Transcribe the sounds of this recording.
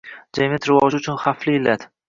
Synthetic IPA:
d͡ʒamʲat̪ɾɪvɒd͡ʒʊt͡ʃʰʊnχaflɪɪlːat̪

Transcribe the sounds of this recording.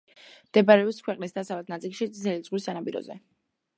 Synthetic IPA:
md̪̥ɛbaɾɛɔpskʰwɛqʼnisd̪asavad̪̚nat̪sʼilˠʃit̪sʼʰɛlid̪zʼʁwisːanabiɾɔ̰zɛ̰

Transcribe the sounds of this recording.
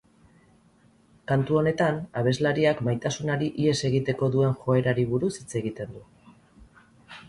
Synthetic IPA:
kant̪uo̞ne̞t̪anaβ̞e̞zlaɾiakmajt̪asunaɾiʔie̞se̞ɣit̪e̞ko̞ðue̞nxo̞e̞ɾaɾiβuɾusit͡se̞ɣit̪e̞nd̪u

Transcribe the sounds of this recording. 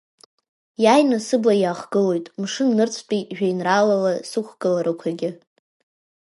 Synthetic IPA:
jaːjnasɨblajaːχɡɨlo̞jtʼmʂɨnːɨrt͡sʷʰpʼiʒᶣajnralalasɨχʷɡ̥ɨlaɾɨkʷʰaɡʲɪ

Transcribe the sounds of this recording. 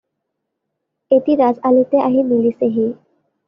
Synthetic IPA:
et̪iɾazalit̪eʔaɦimiliseɦi

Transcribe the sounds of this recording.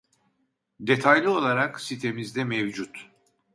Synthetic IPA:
d̪e̞t̪ʰajlʲio̞lˠaɾaksit̪ʰe̞mizd̪ɛmevd͡ʒut̪

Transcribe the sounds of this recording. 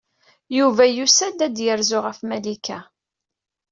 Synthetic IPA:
juvæjusæd̪æd̪jəɾzʊʁəfmælikæ

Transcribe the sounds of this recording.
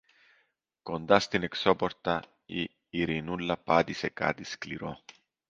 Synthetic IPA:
kond̪ɐst̪ineksopoɾt̪ɐ | iː | ɾinulːɐpɐt̪isekɐ̰t̪iskliɾo

